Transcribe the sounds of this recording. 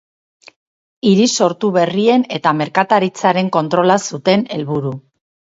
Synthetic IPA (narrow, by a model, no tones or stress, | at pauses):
iɾiso̞ɾt̪uβe̞rie̞ne̞t̪ame̞ɾkat̪aɾit͡saɾe̞ŋko̞nt̪ɾo̞lasut̪e̞ne̞lβuɾu